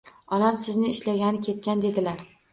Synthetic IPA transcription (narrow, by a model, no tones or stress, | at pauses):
ɒlamsɪznɪːʃlaɡʲanɪkʲʰe̞t̪̚kʲand̪e̞d̪ɪlaɾ